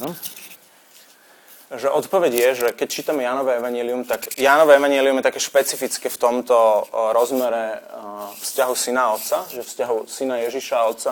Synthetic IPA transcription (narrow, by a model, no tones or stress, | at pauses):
nɔ | ʒɛʔɔt̪pɔʋɛɟjɛʒɛkɛct͡ʃiːt̪amɛjaːnɔʋɛɛʋaɲɪɛliumt̪aɡjaːnɔʋɛɛʋaɲɪɛliumjɛt̪akɛːʃpɛt͡sifit͡skɛft̪ɔmt̪ɔɾɔzmɛɾɛ | fscaɦusinaɔt̪saʒɛfscaɦusinajɛʒiʃaɔt̪sa